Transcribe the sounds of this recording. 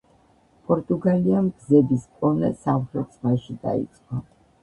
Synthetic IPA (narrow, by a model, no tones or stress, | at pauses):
pʼɔɾt̪ʼuɡaliamɡzɛbiskʼɔnɛ̰savχɛsmaʃid̪a̰ḭt̪sʼqʼɔ